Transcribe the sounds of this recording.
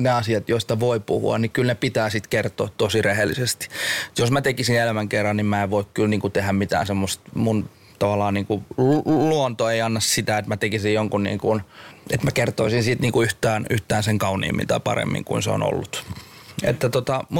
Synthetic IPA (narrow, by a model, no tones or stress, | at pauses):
neɑsiɑt̪joist̪ɑʋoipṵhṵɑ̰nnikylnepit̪æːsit̪kert̪o̰ːt̪t̪osirehelːisest̪i̥josmæt̪ekisinelæmæŋkerːɑnnimmæeʋʋoikkylniːŋkut̪ehæmmit̪æ̰ːnsemːost̪mun | t̪ɑʋɑlːˑɑːnniːŋkuluont̪oeiɑnːɑssit̪æet̪mæt̪ekisijjoŋkunnḭːŋkunet̪mækert̪oisinsiːt̪niːŋkuyht̪æːnyht̪æːnseŋkɑunḭːmːḭnt̪ɑ̰ipɑ̰rḛmːḭŋkṵinsḛo̰no̰lːut̪ | ḛt̪ːæt̪ot̪ɑmu